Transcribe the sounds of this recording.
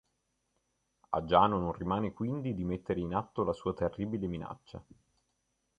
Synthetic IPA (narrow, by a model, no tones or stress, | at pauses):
a̰d͡ʒaːnononrːimaːnekwind̪id̪imet̪ːeɾeinat̪ːolasuːat̪erːiːbilemina̰t͡ʃːa̰